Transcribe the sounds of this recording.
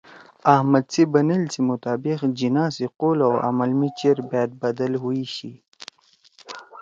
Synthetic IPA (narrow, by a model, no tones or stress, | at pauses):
ahmad̪t͡sibanilt͡simʊt̪aːbɪxd͡ʒinaːsiqolawa̰malmit͡ʃeɾbajad̪̚bad̪alɦuiɕi